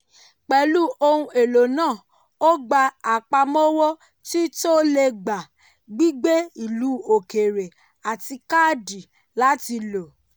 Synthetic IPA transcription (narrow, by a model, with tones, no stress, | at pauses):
k͡pɛ˨˦lu˦o˧hũ˧e˨lo˨nãː˦˨ | o˦ɡ͡ba˧a˨k͡pa˧mɔ˦wɔ˦ | ti˦to˦le˧ɡ͡ba˨ | ɡ͡bi˦ɡ͡be˦i˦˨lu˨˦o˨ke˨ɾe˨ | a˨ti˧ka˦˨di˨ | la˨˦ti˧lo˨